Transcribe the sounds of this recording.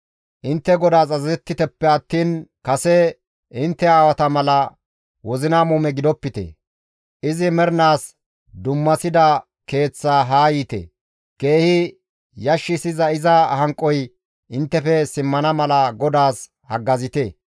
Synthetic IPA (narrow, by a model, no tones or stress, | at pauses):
ʔɪnt̪ːɛɡɔd̪aːs̬ɐzɐɛt̪ːɪt̪ɛpːɛɐt̪ːiːnkɐsɛ | ɪnt̪ːɛaːwɐt̪ɐmɐlɐ | wɔzɪnamuːmɛɡɪd̪ɔpːɪt̪ɛ̰ | ʔɪzɪmɛɾnaːs | d̪ʊmːɐsɪd̪ɐ | ke̞ːt͡sːaːɦaːjiːt̪ḛ | ke̞ːhɪ | jɐʃːɪsɪzɐɪzɐhɐŋkʼːɔj | ɪnt̪ːɛfɛsɪmːɐnɐmɐlɐɡɔd̪aːs | hɐɡːɐzɪt̪e